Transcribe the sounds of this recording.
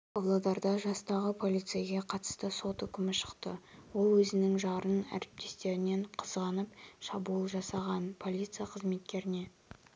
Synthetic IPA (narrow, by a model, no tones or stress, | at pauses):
ɑblˠɑd̪ɑɾd̪ɑʒɑst̪ɑʁəpʰo̞lʲijt̪sɨjaɡʲe̞qʰɑt̪ə̥st̪əso̞t̪ʏkʲɪmɪʃə̥qt̪ə̰wo̞lˠwɵzɪnɪŋʒɑɾənæ̰ɾɪp̚t̪ʰe̞st̪e̞ɾɪne̞ɴqʰəzʁɑnəpʃɑbulˠʒɑsɑʁɑnpʰo̞lʲˠit̪sɨjaqʰəzme̞t̪̚kʲe̞ɾɪne̞